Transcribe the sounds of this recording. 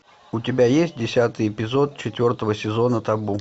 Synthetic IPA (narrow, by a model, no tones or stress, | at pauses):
ʊtʲɪbʲajesʲtʲdʲɪsʲat̪ɨjɪpʲɪzo̞t̪̚t͡ɕɪt̪ʲvʲo̞rt̪əvəsʲɪzo̞nət̪ɐbu